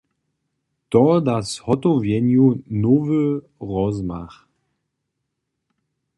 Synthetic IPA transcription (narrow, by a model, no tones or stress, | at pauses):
tɔdashɔtɔvjɛnjunovə | ʁɔzma̰χ